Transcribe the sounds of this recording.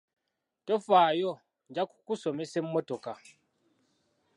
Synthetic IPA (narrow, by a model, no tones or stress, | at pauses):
tofaːjo | ɲɟaku̥kuso̞me̞semmːoto̞ka